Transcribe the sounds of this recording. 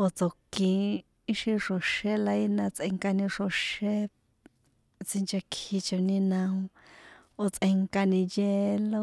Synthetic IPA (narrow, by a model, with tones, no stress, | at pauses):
o˧t͡so˨kĩ˧ | i˦ʃĩ˧ʂo˧ʃe˦la˧i˦nã˧t͡sʔe˧ŋka˧nĩ˧ʂo˧ʃe˦ | t͡si˧nt͡ʃe˧kʰi˧t͡ʃo˧nĩ˧nã˧ũ˧ | o˧t͡sʔe˧ŋka˧nĩ˧je˧lo˦˧